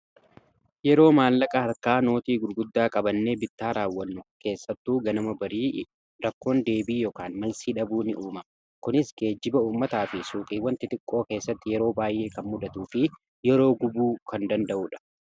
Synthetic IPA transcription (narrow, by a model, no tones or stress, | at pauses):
jɛɾo̞ːmaːlːɐkʼɐhɐɾkaːno̞ːt̪iːɡʊɾɡʊd̪ːaːkʼɐbɐnːe̞ːbɪt̪ːaːɾaːwːɐnːʊke̞ːsːɐt̪ːuːɡɐnɐmɐbɐɾiː | ɾɐkːo̞ːnd̪e̞ːbiːjɔkaːnmɐlsiːᶑɐbuːnɪ̰ʔuːmɐm | kʊnɪsɡe̞ːd͡ʒːɪbɐuːmːɐt̪aːfɪsuːkʼiːwːɐnt̪ɪt̪ɪkʼːo̞ːke̞ːsːɐt̪ːɪjɛɾo̞ːbaːjʔe̞ːkɐnmʊd̪ɐt̪uːfɪ | jɛɾo̞ːɡʊbuːkɐnd̪ɐnd̪ɐʔuːᶑɐ̥